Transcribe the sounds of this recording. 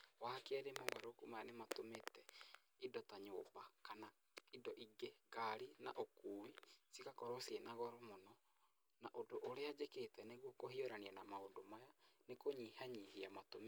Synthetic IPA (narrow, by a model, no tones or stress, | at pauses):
wahakɛɾemoβaɾokumajanematometɛ | idɔtaɲoːbakana | idɔʔiɡekaɾina̰ʔokuːwisikakɔɾosienaɣɔɾɔmonɔ | naʔodoʔoɾead͡ʒeketɛneɣwokohioɾanianamaodomajanekoɲihaɲihiamatome